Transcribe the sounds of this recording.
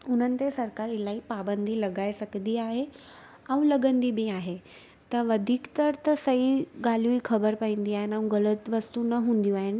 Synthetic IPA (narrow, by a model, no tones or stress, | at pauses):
ʊn̤ənɪ̆t̪esɐɾkaɾilaɦipabənd̪ʱilɐɡajsɐkd̪iaɦe | aũləɡənd̪ibʱiaːɦe | t̪ɐʋəd̪ʱiːkt̪əɾt̪əsɐɦiɡal̤jũiːkʰɐbəɾpaĩnd̪iaːɦɪnaũɡɐlət̪ʋɐst̪unəɦũːnd̪jũaːɦɪn